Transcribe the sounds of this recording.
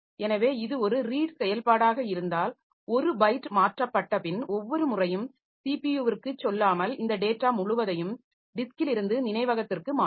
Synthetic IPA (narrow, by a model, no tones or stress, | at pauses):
ɛnɐʋeːɪðɯɔɾɯɾiːʈsɛjɐlpaːɽaːɣɐɪɾɯnd̪aːl | ɔɾɯbɐɪʈːmaːʈrɐpːɐʈːɐpɪnɔʋːɔɾɯmʊrɐjɯm | siːpijuːʋɪrkɯt͡ʃːɔlːaːmɐlɪnd̪ɐɖeːʈːaːmʊɻʊʋɐðɐjɯm | ɖɪskɪlɪɾɯnd̪ɯnɪnɐɪʋɐɣɐt̪ːɪrkɯmaː